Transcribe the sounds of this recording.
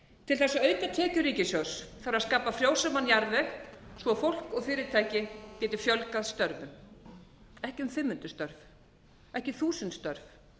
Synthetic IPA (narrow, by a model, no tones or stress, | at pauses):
t̪ʰɪlθɛsːaœːɥt̪at̪ʰɛːcʏɾiːcɪsœwsθaɾaðskaːpafɾjoːwsamanːjaɾvɛxsvɔfowl̥kɔɣfɪːɾɪɾt̪ʰaːjcɪcɛːt̪ɪfjœlkaðst̪œɾvʏm | ɛhcɪʏmfɪmːʏnt̪ʏst̪œɾv | ɛhcɪθuːsʏnt̪st̪œɾv